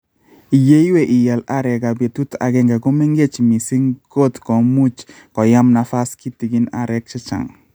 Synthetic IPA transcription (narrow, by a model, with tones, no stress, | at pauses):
i˨je˦jwe˨ʔɪ˨ja˨la˦ɾɛ˨ɡa˨be˨tu˦ta̰˨ɡɛ˦ŋɡa˨ɡo˦mi˦ŋɡe˦t͡ʃmi˨si˦ŋɡo˦tko˨mu˦t͡ʃ | kɔ˨ja˦mna˨fa˦ski˦tːi˨ɡɪ˦na̰˨ɾɛ˦k̚t͡ʃɪ˦t͡ʃa̰˨ŋ